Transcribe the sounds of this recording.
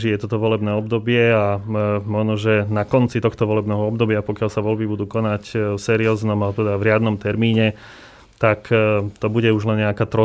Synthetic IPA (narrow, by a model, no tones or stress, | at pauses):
ʒijɛt̪ɔt̪ɔʋɔlɛbnɛːɔbd̪ɔbɪɛamɔʒnɔʒɛnakɔnt͡sit̪ɔxt̪ɔʋɔlɛbnɛːɦɔɔb̚d̪ɔbɪapɔkɪalsaʋɔlbibud̪uːkɔnacfsɛːɾiɔːznɔmat̪ɛd̪avɾɪad̪nɔmt̪ɛɾmiːɲɛ | t̪akt̪ɔbuɟɛuʒlɛnɲɛakaːt̪ɾɔ